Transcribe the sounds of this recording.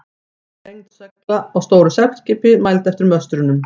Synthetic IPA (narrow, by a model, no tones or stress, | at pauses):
ejŋt̪sɛklaɔɣst̪oːwɾʏsɛp̚nscɪːpɪmajlt̪ɛft̪ɪɾmœst̪ɾʏnʏm